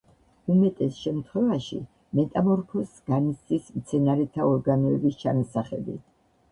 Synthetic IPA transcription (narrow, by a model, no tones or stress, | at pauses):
umɛt̪ʼɛsʃɛmt̪ʰχwɛvaʃḭ | mɛt̪ʼamɔɾpʰɔsɡ̥anist̪ʼismt̪sʰɛnaɾɛt̪ʰaɔɾɡanɔɛbist͡ʃʰanasaχɛ̰b̪ḭ